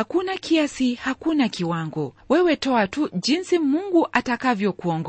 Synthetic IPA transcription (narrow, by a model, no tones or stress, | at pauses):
akunakʰiasihakunakiwaŋɡɔwɛwɛtɔatuʄinsimuŋɡuʔatakavjɔkuɔŋɡ